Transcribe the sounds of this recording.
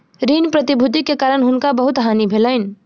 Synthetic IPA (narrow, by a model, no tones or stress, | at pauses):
ɾinpɾət̪ibʱud̪ikːekaɾənɦunkabəɦut̪ɦanibʱeləɪn̆